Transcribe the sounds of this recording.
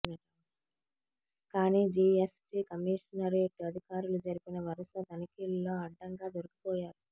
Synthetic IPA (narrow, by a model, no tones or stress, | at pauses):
nɐɐ | kaːniːd͡ʒiesʈiːkɐmiːʂɐnɐɾeeʈːuɐd̪ʱikaːɾulud͡ʒɐɾupinɐʋɐɾɐsɐd̪ɐnikilːoːɐɖːɐŋɡaːd̪oɾɐki̥pɔːjaːɾu